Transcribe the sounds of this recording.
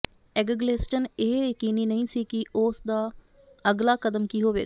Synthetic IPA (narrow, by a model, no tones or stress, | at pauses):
ɛɡəɡleːsʈəneːjjəkiːniːnəĩːsiːkɪʔoːsd̪aː | əɡlaːkəd̪əmkiːɦoːʋḛːa